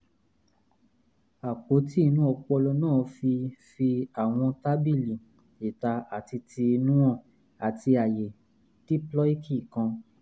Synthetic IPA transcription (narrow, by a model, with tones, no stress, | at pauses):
a˨k͡po˨˦ti˦˧nũ˦ɔ˧k͡pɔ˧lɔ˧nãː˦˨fi˧fi˧a˨w̃ɔ̃˧ta˦bi˦˨li˨ | i˨ta˨˧a˨ti˧ti˧nũ˦ɔ̃˦˨ | a˨ti˧a˨je˨ | ti˦plɔ˦i˦kʰi˦˨kã˧